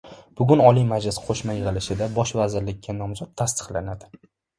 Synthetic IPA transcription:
b̥ʊɡʲʊnɒlijmad͡ʒlɪsqʰoʃmajɨʁɨlɪʃɪd̪abɒʃvazɪɾlɪkʲːanɒmzɒt̪ʰːast̪ʰɨ̥χlanad̪ɪ

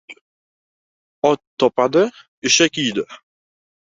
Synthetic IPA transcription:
ɒtt̪ʰːɒpad̪ɪ | ɪʃakʲijd̪ɪ

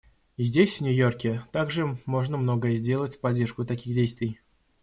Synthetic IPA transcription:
zʲdʲesʲvnʲʊjo̞rkʲɪt̪aɡʐɨmo̞ʐnəmno̞ɡəjəzʲdʲe̞lˠətʲfpɐdʲːe̞rʂkʊt̪ɐkʲiɣdʲejst̪vʲɪj

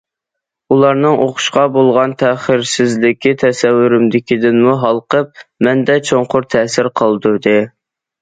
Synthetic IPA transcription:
ulˠɑɾnɨŋʔoqʰʊ̥ʃqɑbolˠʁɑnt̪ʰɛχəɾsɪzlɪkʲʰit̪ʰɛsɛwːyɾɪmd̪ɪkʲid̪ɪnmuɦɑlˠqəp̚mɛnd̪ɛt͡ʃʰoŋqʰʊɾt̪ʰɛsɪɾqʰəlˠd̪ud̪ɨ

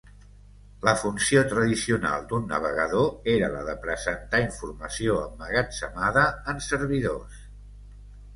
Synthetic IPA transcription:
ləfunsiot̪ɾəðisiuna̰lˠd̪unːə̰β̞əɣəðoeɾələðəpɾəzənt̪aiɱfurməsioəmːəɣəsəmaðəənsərβ̞iðos

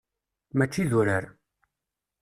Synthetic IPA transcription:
mæt͡ʃːiðʊɾəɾ

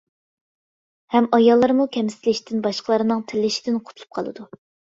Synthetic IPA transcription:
hɛmɑjɑlˠːɑɾmukʲʰɛmst̪ɪlɪʃd̪ɪnbɑʃqəlˠɑɾɨnɨŋt̪ʰɪlːɪʃi̥d̪ɪnqʰoʊ̥t̪ʰlˠu̥p̚qʰɑ̰lˠɨ̰d̪u

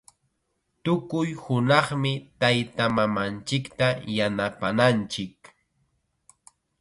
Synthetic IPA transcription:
t̪ʊkʊjhʊnɑχmɪt̪ajt̪amamant͡ʃɪkt̪ajanapanant͡ʃɪk

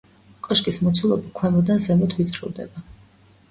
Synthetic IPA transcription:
kʼɔʃkʼismɔt̪sʰulˠɔbikʰwɛmɔd̪anzɛmut̪ʰvit̪sʼɾḭvˠd̪ɛ̰ba

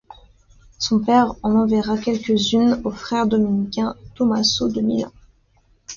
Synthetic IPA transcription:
sɔ̃pɛʁɑ̃nɑ̃vɛʁakʲɛlkʲəzynofχɛʁd̪ɔminikʲɛ̃t̪ɔmasod̪əmḭlɑ̰̃

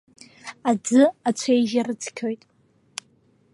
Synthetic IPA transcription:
ad͡zɨat͡ɕʷʰe̞jʒaɾɨt͡sʰkʲʰo̞jtʼ

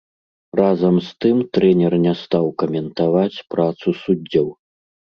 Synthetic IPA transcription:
razɐmst̪ɨmt̪ɾɛnʲɛrnʲɛst̪awkɐmʲɛnt̪avat͡sʲpɾat̪susud͡zʲːɔw

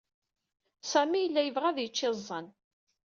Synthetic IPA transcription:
sæmijəlːæjəvʁæðjət͡ʃːɪzˤːən

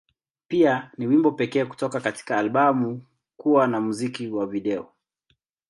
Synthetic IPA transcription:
pianiwimbɔpɛkɛːku̥tɔkakati̥kaːlɓamu | kuwanamuzikiwaviɗɛɔ

